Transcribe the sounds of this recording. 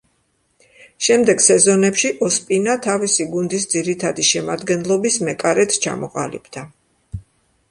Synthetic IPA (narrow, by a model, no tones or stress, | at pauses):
ʃɛmd̪ɛɡsɛzɔnɛpʃiʔɔspʼinat̪ʰavisiɡund̪isd̪ziɾit̪ʰad̪iʃɛmad̪ɡɛnlˠɔbismɛkʼaɾɛt̪ʰt͡ʃʰa̰mɔqʼa̰lḭb̥d̪a